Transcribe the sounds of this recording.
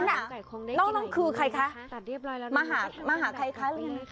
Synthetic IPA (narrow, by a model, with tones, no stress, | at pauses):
na˧˩˨nɔː˧˥˩nɔː˧˥˩ŋkʰɯː˧kʰa˧jkʰa˦˥˧ | maː˧ɦaː˨˩˦maː˧ɦaː˨˩˦kʰa˧jkʰa˦˥lɯ˧